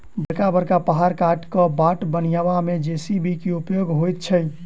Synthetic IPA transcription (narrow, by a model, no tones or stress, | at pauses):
bəɾkabəɾkapaɦaɾkaʈkəbaʈbənijabamed͡ʒesibʱikiupjoɡɦojt̪̚t͡ʃʰəj